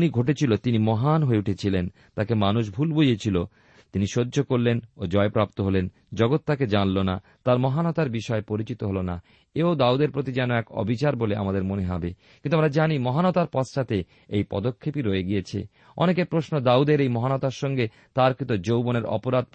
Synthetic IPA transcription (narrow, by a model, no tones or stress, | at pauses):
niɡʱoʈet͡ɕʰilot̪inimɔɦanɦoeuʈʰet͡ɕʰilen | t̪akemanuʃ̬bʱulboiet͡ɕʰilo | t̪iniʃodːʑokoɾlenod͡ʑɔepɾap̚t̪oɦolen | d͡ʑɔɡot̪ːaked͡ʑanlona̰ | t̪aɾmɔɦanɔt̪aɾbiʃɔepoɾit͡ɕit̪oɦolona̰ | eod̪aud̪eɾpɾot̪̬id͡ʑɛnoɛkɔ̰bʱit͡ɕaɾbolea̰mad̪eɾmoneɦɔbekĩnt̪uamɾad͡ʑanimɔɦanɔt̪aɾpɔsʃat̪e | ejpɔ̰d̪okʰːepiɾoeɡijet͡ɕʰḛ | ɔ̰nekeɾpɾoʃnod̪aud̪eɾejmɔɦanɔt̪aɾʃɔŋɡe | t̪aɾkit̪od͡ʑowboneɾɔ̰poɾad̪̚